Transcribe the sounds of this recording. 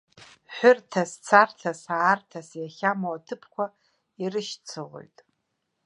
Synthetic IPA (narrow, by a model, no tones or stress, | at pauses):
ħʷᶣʊrtʰast͡sʰartʰasaːrtʰasjaχʲamaatʰɨpʰkʷʰa | irɨʃt͡sʰɨʁo̰jtʼ